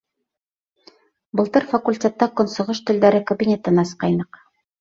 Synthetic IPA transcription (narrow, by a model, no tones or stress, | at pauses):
bɤ̆lˠt̪ɤɾfɐkulʲtʲet̪ːɑkŏnsŏʁɤʃt̪ɘ̆ld̪æɾɘkobʲinʲet̪ɤnɑsqɑjnɤq